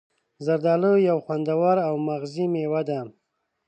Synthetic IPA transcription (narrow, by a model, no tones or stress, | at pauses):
zaɾd̪ɑlojawxwand̪awaɾawmaɣzimewad̪am